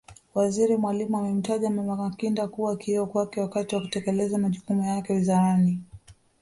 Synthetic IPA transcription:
waziɾimwalimuamɛm̩taʄamamakakindakuwaːkiɔkwakɛwakatiwaku̥tɛkɛlɛzamaʄukumujakɛwizaɾani

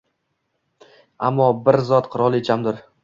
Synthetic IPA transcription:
a̰mːɒbɪɾzɒt̪qʰʊɾɒlˠet͡ʃʰamd̪ɪɾ

